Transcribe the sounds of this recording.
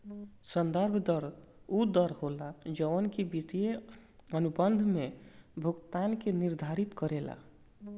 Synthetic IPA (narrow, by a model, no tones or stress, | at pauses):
sənd̪əɾbʱd̪əɾud̪əɾɦolad͡ʒəənkibit̪ijeənubənd̪ʱmebʱuɡt̪ankeniɾd̪ʱaɾit̪kəɾela̰